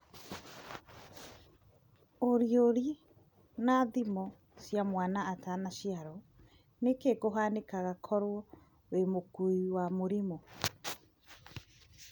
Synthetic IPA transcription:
oɾioɾi | naðimɔ | sjamwanaːtanaɕiaɾɔ | nekekoɦanekaɣakʰɔɾwɔ | wemokuiwamoɾimɔ

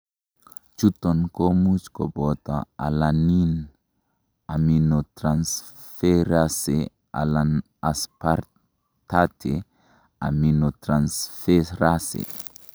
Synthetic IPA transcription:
t͡ʃut̪onkomut͡ʃkobɔt̪aa̰lanin | aminot̪ɾans | feɾase | a̰lan | aspaɾ | t̪at̪ʰe | a̰minot̪ɾansfeɾasḛ

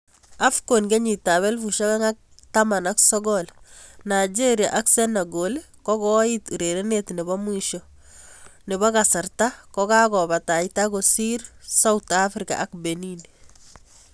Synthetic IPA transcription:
afkonɡeɲitaβɛlfuʃakaŋak̚tamanaksɔɡɔlnajd͡ʒeɾja̰ʔaksɛnaɡol | kɔkɔituɾeɾenetnɪbɔmwiʃɔ | nɪbɔkasartakɔkaɡɔbataitaɡosiɾsautafɾika̰ʔak̚benin

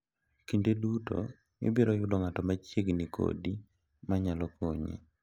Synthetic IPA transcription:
kindeduto̰ | ɪ̰biɾɔjʊdɔŋatɔmat͡ʃjeɡnikʰo̰di | maɲalɔkʰo̰ɲḛ

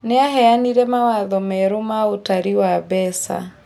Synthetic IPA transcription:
nɛaɦɛaniɾɛmawaðɔmɛɾumautaɾiwabɛsa̰

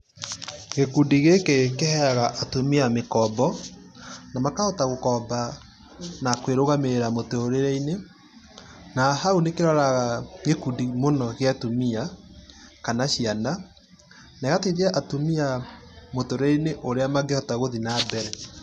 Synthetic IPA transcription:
ɣekudiɣekekehɛaɣaʔatomiamekɔbɔ | namakahɔtaɣokɔba | nakweɾoɣameɾeɾamotooɾeɾɛine | nahaunekeɾɔɾaɣaɣekudimonɔɣeatomia | kanaɕiana | nɛɣateɾjaʔatomiamotoɾeineʔoɾeamaɡehɔtaɣoðinaːbɛɾɛ

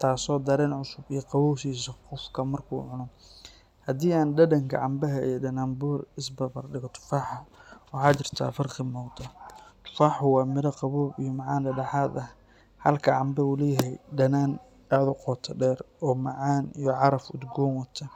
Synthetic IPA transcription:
t̪ʰaːsɔːd̪ɐɾɛːnʕʊsʊbijɔqɑβɔːʃiːsɐqɔfkʰɐmɐrkʰṵːʕʊnɔ | hɐd̪iːaːnɖɐdɐŋkʰɐ̰ʕɑmbɐɦɐḭjɔɖɐnaːmbʊːrɪsbɐbɐrɖɪɣɔt̪ʰʊ̥faːħɐwɑħɑːt͡ʃɪrt̪ʰa̰ːfɐrqɪmɔːd̪ɐt̪ʰʊ̥faːħʊwɑːmɪɾɐqɑβɔːbijɔmɑʕaːndɐɖɐħaːd̪ɐh | hɐlkʰɐʕɑmbɐulɛjɛɦɛjɖɐnaːn | aːðʊqɔːt̪ʰɐɖɛːrɔːmɑʕaːnijɔʕɑɾɐfʊ̰d̪ɡɔːnwɐt̪ʰɐ

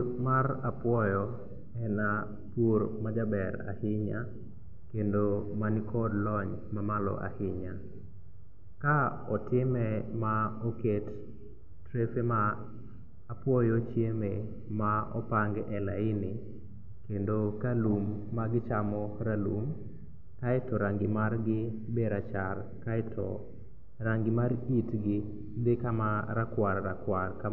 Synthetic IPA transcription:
marapwɔjɔ | ɛna | poɾmad͡ʒabɛɾa̰hɪɲa | kendomanɪkʰɔdlɔɲ | mamalɔ̰ʔa̰hɪɲa | ka | ɔtɪmɛmaɔketː | ɾefemaː | pwɔjɔt͡ʃjeme | maɔ̰paŋɡɛlaɪnɪ | kendokalumːaɡɪt͡ʃamɔɾalum | kaɛtɔɾaŋɡɪmarɡɪ | beɾat͡ʃar | kaɛtɔ | aŋɡɪmaɾitɡɪ | dekamaɾakwarːakwarka

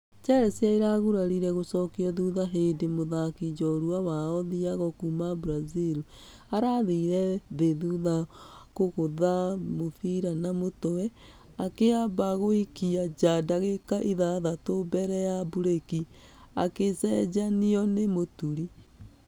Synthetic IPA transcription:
t͡ʃɛɾɛsjaiɾaɣuɾaɾiɾɛɣosɔkiɔðuðaɦedemoðakid͡ʒɔɾwawaɔðiaɣɔkumabɾazil | aɾaðiɾɛðeðuðakoɣoðamofiɾanamotɔwɛ | akeabaɣoikiad͡ʒadaɣekaʔiðaðatobɛɾɛjabuɾekia̰kesɛd͡ʒaniɔnemotuɾi

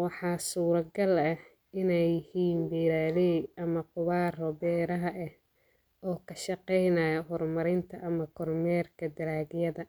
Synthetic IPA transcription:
wɑħɑːsuːɾɐɡɐlɐh | ɪnɛjhiːnbiːɾaːlɛʔɐmɐqʊβɑːrɔbɛːɾɐɦɐʔɛh | ɔːkʰɐʃɑqɛjnajɐɦɔrmɐɾɪnt̪ʰɐʔɐmɐkʰɔrmɛːrkʰɐd̪ɐɾaːɡjɐðɐ

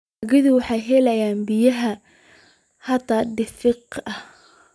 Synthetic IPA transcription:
ɣɪðʊwɑħɑjɦɛlɐjaːnbɪjɐɦɐ | hɑt̪ʰaːɖɪfɪqɐh

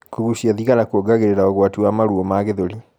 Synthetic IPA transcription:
kuɣusjaðiɣalakuoɡaɣeɾeɾaɔɣwatiwamaɾuɔmaɣeðoɾi

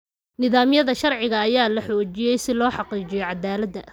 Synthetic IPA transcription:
nɪðaːmjɐðɐʃɐrʕɪɣɐːjaːlɐħɔːt͡ʃɪjɛjsɪlɔːħɑqiːt͡ʃɪjɔjʕɑd̪aːlɐd̪ɐ

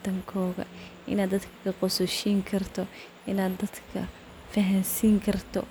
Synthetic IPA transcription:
t̪ʰɐŋkʰɔːɣɐ̰ʔɪ̰naːd̪ːɐd̪kʰɐ̥kʰɐqɔsʊʃiːŋkʰɐrt̪ʰɔ | ʔɪnaːd̪ɐd̪kʰɐ̰ | fɐɦɐnsiːŋkʰɐrt̪ʰɔ̰

